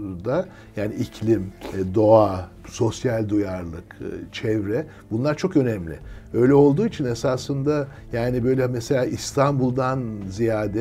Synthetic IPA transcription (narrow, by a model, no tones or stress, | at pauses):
d̪a | jaːniʔicʰlʲimd̪o̞a | so̞sjalʲd̪ujaɾlˠɯkt͡ʃʰɛvɾɛ | b̥unlˠaɾt͡ʃʰokø̞nɛmlʲɪ̰ø̞jlʲɛo̞lˠd̪uːit͡ʃʰinesaːsɯnd̪a | jaːnibø̞jlʲɛmɛse̞lʲaːʔist̪ʰanbulˠd̪anzijaːd̪ɛ